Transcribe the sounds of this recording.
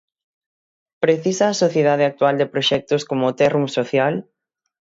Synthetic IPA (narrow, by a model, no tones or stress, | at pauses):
pɾeθisaːsoθjeðað̞ɪak̚t̪wald̪epɾoʃɛk̚t̪ʊskomot̪ɛrumsoθjal